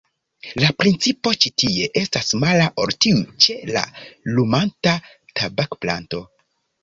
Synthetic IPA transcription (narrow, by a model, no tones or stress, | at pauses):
lapɾint͡sipo̞t͡ʃitie̞ʔe̞stasmalaʔo̞̰ɾtiut͡ʃe̞la̰lumanta | tabakpla̰nto̞